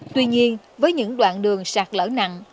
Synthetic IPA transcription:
t̪wi˧ɲi˧ən | vəː˨˦jɲɨ̰˧˥ŋɗwa̰ː˧˨nɗɨ˨˩əŋsaː˨˩k̚lə̰ː˧˩na̰˧˨ŋ

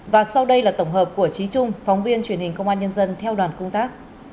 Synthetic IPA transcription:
vaː˨˩sa˧wɗə˧jlaː˨˩t̪ə˧˩wŋ͡mɦəː˨˩p̚ku˧˩ət͡ɕi˨˦t͡ɕʊ˧ŋ͡mfɔ˨˦wŋ͡mvi˧ənt͡ɕwi˧˩ənhï˨˩ŋ̟kə˧wŋ͡mʔaː˧nɲə˧nzə˧nt̪ʰɛ˧wɗwaː˨˩nkʊ˧ŋ͡mt̪aː˦˥k̚

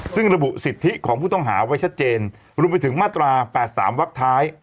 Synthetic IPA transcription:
sɯ˥˩ŋɾa˧bu˨˩ʔsi˨˩t̪ʰːi˦˥kʰɔː˩˦ŋpʰuː˥˩t̪ɔ˥˩ŋɦa̰ː˩˦wa˦˥jt͡ɕʰa˦˥t̪̚t͡ɕeː˧n | ɾu˧əmpa˧jt̪ʰɯ˩˦ŋmaː˥˩t̪ɾaː˧pɛː˨˩t̪̚sa̰ː˩˦mwa˦˥k̚t̪ʰaː˦˥j

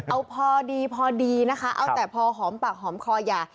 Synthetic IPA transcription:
ʔa˧wpʰɔː˧diː˧pʰɔː˧diː˧na˦˥kʰa˦˥ʔa˧wt̪ɛː˨˩pʰɔː˧ɦɔː˩˦mpaː˨˩k̚ɦɔː˩˦mkʰɔː˧jaː˨˩

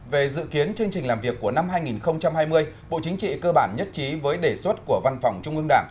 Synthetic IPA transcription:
ve˨˩zɨ̰˧˨ki˨˦ənt͡ɕɨ˧əŋt͡ɕï˨˩ŋ̟laː˨˩mvi˨˩əkːu˧˩əna˧mhaː˧jŋi˨˩nxə˧wŋ͡mt͡ɕa˧mhaː˧jmɨ˧əj | ɓo̰˧˨t͡ɕï˨˦ŋ̟t͡ɕḭ˧˨kəː˧ɓaː˧˩nɲə˦˥t̚t͡ɕi˨˦vəː˨˦jɗe˧˩swə˦˥t̚ku˧˩əva˧nfa˨˩wŋ͡mt͡ɕʊ˧ŋ͡mɨ˧ŋɗaː˧˩ŋ

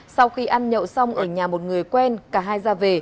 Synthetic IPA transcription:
sa˧wxi˧ʔaː˧nɲə̰˧˨wsa˧wŋ͡mʔəː˧˩ɲaː˨˩mo˨˩t̚ŋɨ˨˩əjkwɛ˧nkaː˧˩ɦaː˧jzaː˧ve˨˩

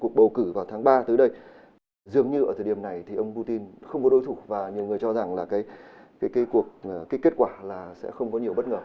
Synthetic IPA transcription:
ku˨˩ək̚ɓə˨˩wkɨ˧˩vaː˨˩wt̪ʰaː˨˦ŋɓaː˧t̪ɨː˨˦ɗə˧j | zɨ˨˩əŋɲɨ˧ʔə˧˩t̪ʰəː˨˩ɗi˨˩əmna˨˩jt̪ʰi˨˩ʔə˧wŋ͡mpu˧t̪i˧nxə˧wŋ͡mkɔ˨˦ɗo˧jt̪ʰu˧˩vaː˨˩ɲi˨˩əwŋɨ˨˩əjt͡ɕɔ˧za˨˩ŋlaː˨˩kaː˨˦j | kaː˨˦kaː˨˦jku˨˩ək̚aː˨˦kːe˦˥t̚kwaː˧˩laː˨˩sɛ̰˧˥xə˧wŋ͡mkɔ˨˦ɲi˨˩əwɓə˦˥t̚ŋəː˨˩

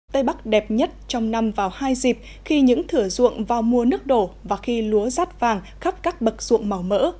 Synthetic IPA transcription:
t̪ə˧jɓa˦˥k̚ɗɛ˨˩p̚ɲə˦˥t̚t͡ɕɔ˧wŋ͡mna˧mvaː˨˩whaː˧jzi˨˩p̚ | xi˧ɲɨ̰˧˥ŋt̪ʰɨ˧˩əzṵ˧˨əŋvaː˨˩wmu˨˩ənɨ˦˥ək̚ɗo˧˩vaː˨˩xi˧lu˨˦əzaː˦˥t̚vaː˨˩ŋ | xa˦˥p̚kaː˦˥k̚ɓə˨˩k̚z̥ṵ˧˨əŋma˨˩wmə̰ː˧˥

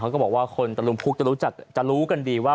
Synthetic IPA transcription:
a˦˥kɔ˥˩bɔː˨˩kwaː˥˩kʰo˧nt̪a˧lu˧mpʰuː˦˥˩k̚t͡ɕa˨˩ɾuː˦˥t͡ɕa˨˩k̚t͡ɕa˨˩ɾuː˦˥ka˧ndiː˧waː˥˩

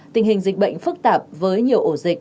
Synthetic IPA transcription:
t̪ï˨˩ŋhï˨˩ŋ̟zï˨˩k̟̚ɓə̰˧˨jŋ̟fɨ˦˥k̚t̪aː˨˩p̚vəː˨˦jɲi˨˩əwʔo˧˩zï˨˩k̚

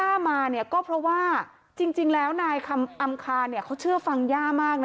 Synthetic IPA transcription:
aː˥˩maː˧ni˥˩ɐkɔː˥˩pʰɾɔ˦˥waː˥˩ | t͡ɕi˧ŋt͡ɕi˧ŋlɛː˦˥wnaː˧jkʰa˧mʔa˧mkʰaː˧nːi˥˩kʰa˦˥wt͡ɕʰɯ˥˩ɐfa˧ŋjaː˥˩maː˥˩k̚n˥

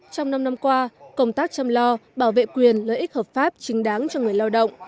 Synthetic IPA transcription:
t͡ɕɔ˧wŋ͡mna˧mna˧mkwaː˧kə˧wŋ͡mt̪aː˦˥k̚t͡ɕa˧mlɔ˧ɓaː˧˩wvḛ˧˨kwi˨˩ənləː˨jʔi˦˥k̟̚həː˨˩p̚faː˦˥p̚t͡ɕï˨˦ŋ̟ɗaː˨˦ŋt͡ɕɔ˧ŋɨ˨˩əjlaː˧wɗə̰˧˨wŋ͡m

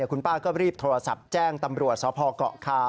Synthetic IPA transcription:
kʰu˧npaː˥˩kɔː˥˩ɾiː˥˩p̚t̪ʰoː˧ɾa˧sa˨˩p̚t͡ɕɛː˥˩ŋt̪a˧mɾu˨˩ət̪̚sɔː˨˦˥pʰɔː˧kɔ̰˨˩ʔkʰaː˧˩

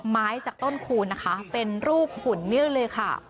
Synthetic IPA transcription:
maː˦˥jt͡ɕaː˨˩k̚t̪o˥˩nkʰuː˧nːa˦˥kʰa˦˥pe˧nɾuː˥˩p̚kʰuː˨˩nːɯ˥˩əklɤː˧jkʰa˥˩

